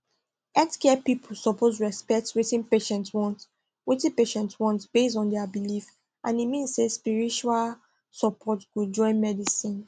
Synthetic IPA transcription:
ɛtkɛpipʰulsɔpʰozɹɛspɛk̚twitĩnpeʃɛ̃ntwɔ̃nt | witĩnpeʃɛ̃ntwɔ̃ntb̥estɔ̃ndɛabilif | ʔãnimĩnssespiɹit͡ʃual | sɔpʰɔtɡud͡ʒɔ̃ɪ̃nmɛdisĩn

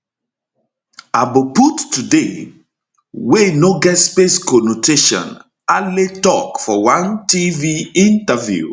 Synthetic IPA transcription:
aboputːude | wenoɡɛtspeskɔnotʰeʃɔ̰̃n | aletɔkfɔwãntiviĩntavjṵ

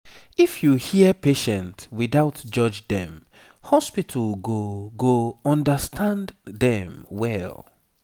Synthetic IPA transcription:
ifjuhiəpeʃɛ̃ntwiðaʊtd͡ʒʌd͡ʒdɛ̰̃m | hɔspitʰəlɡoɡoɔ̃ndəstʰãnddɛ̃mwɛl

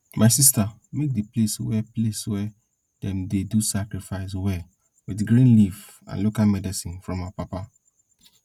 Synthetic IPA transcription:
mʔãsista | mek̚dipleswɛpleswɛ | dɛ̃mdedusakɾifaɪswɛ | widɡɾĩnliv | ã̰nlokalmɛdisĩnfɹɔ̃mapapa

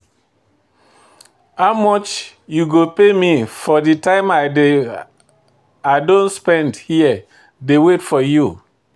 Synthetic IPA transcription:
haʊmɔt͡ʃ | juɡopemifɔditãɪ̃ma | adõnspɛ̃ndhiə | dewetfɔju

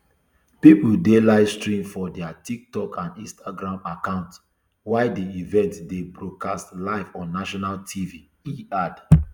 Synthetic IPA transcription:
pipul̩delaɪvstɹĩmfɔdɛatik̚tɔkãndĩnstaɡɹãmakãʊ̃nt | waɪdiivɛ̃ntdebɹokastlaɪvɔ̃nːaʃɔnaltʰivi | iad

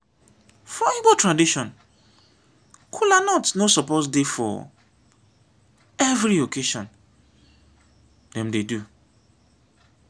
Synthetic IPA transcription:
fɔibotʰɹadiʃɔ̃n | kʰulanɔtnosɔpɔsdefɔ̰ | ɛvɾiokʰeʃɔ̃n | dɛ̃mdedu

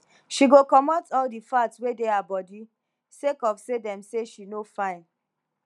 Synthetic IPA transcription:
ʃiɡokɔmɔtɔldifatswedeabɔdi | sekɔfsedɛ̃mseʃinofãɪ̃n

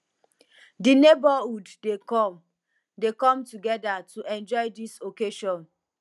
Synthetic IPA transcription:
dinebahuddekɔm | dekɔ̃mtuɡɛdatʰuʔɛ̃nd͡ʒɔɪdisokeʃɔ̃n

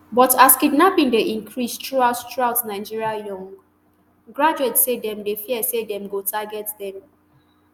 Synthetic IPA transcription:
bɔtaskidnapĩŋdeʔĩŋkʰɹistɹuaʊttɹuaʊtnaɪd͡ʒiɹiajɔ̃ŋɡ | ɡɹad͡ʒuɛtsedɛ̃mdefiɛsedɛ̃mɡotʰaɡɛtdɛ̃m

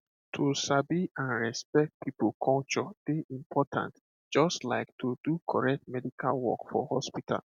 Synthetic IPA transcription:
tʰusabiãnɹɛspɛk̚t̚pʰipulkʰɔ̃lt͡ʃɔd̥eʔĩmpʰɔtʰã̰nt | d͡ʒɔstlaɪktʰudukʰɔɹɛk̚t̚mɛdikʰalwɔ̰kfɔ̰hɔspitʰa̰l

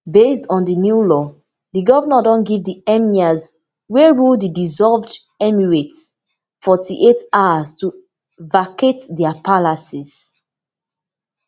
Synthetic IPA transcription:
bestɔ̃ndənjulɔ | ðiɡɔvənadɔ̃nɡivdiɛmiaz | weɹuldidizɔlvd | ɛmiɹets | fɔtʰiʔetawastu | vakʰetdɛapʰalasiz̥

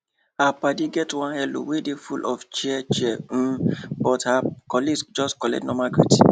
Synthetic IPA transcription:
hapadiɡɛtwɔ̃nhɛlo̰wedefulʔɔft͡ʃiɛt͡ʃɛɛm̩bɔthakɔliɡsd͡ʒɔskɔlɛ̰tnɔmaɡɹḭti̥

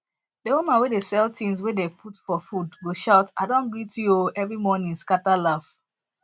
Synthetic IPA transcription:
dewumãnwedesɛltĩŋs̬wedepʰutfɔfudɡoʃaʊtadɔ̃nɡɹitʰujoɛvɹimɔnĩnskatalaf

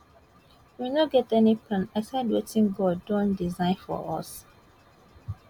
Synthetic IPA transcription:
winoɡɛtɛnipʰlãnasadwetĩnɡɔdõndizãɪ̃nfɔ̰ʔɔ̰s

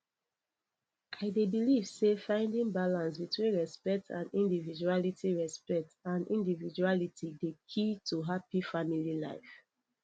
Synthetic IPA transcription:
ʔaɪdebilivsefãɪ̃ndĩŋbalãnsbitwĩnɹɛspɛk̚tʰã̰nĩndivid͡ʒualitiɹɛspɛk̚tãndʔĩndivid͡ʒualitidekʰitʰuɦapifamilila̰ɪf

